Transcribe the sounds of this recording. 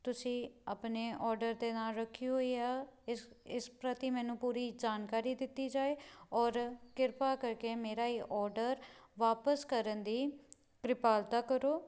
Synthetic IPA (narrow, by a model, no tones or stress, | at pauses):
t̪ʊsĩːəpneːʔɔːɾɖəɾd̪eːnaːlɾəkʰːiːɦoːiːaː | ɪspɾət̪iːmɛ̃ːnũːpuːɾiːd͡ʒaːnkaːɾiːd̪ɪt̪ːiːd͡ʒaːeːɔːɾkɪɾpaːkəɾkeːmeːɾaːiːʔɔːɾɖəɾʋaːpəskəɾənd̪iː | kɾɪpaːlt̪aːkəɾoː